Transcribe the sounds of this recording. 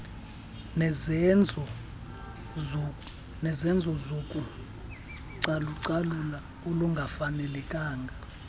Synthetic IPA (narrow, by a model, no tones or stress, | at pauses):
nɛnd͡zʱɔ | nɛzɛnd͡zʱɔzokʼu | ǀaluǀalula | oluŋɡʱafanɛlɛkʼaːŋɡʱa